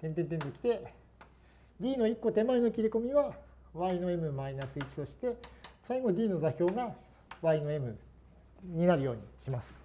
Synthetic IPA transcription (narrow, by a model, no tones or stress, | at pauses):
t̪ẽ̞nt̪ent̪̬e̞nzokʲi̥t̪e̞ | d̪ʲiːno̞ikːo̞t̪e̞maeno̞kʲiɾʲiko̞mʲiβa | βaino̞e̞mɯ̟mainasɨit͡ɕi̥t̪o̞ɕi̥t̪e̞saiɡo̞d̪ʲiːno̞zaçʲo̞ːɡa | βaino̞e̞mɯ̟ | ɲ̟inaɾɯ̟jo̞ːɲ̟iɕimasɨ̥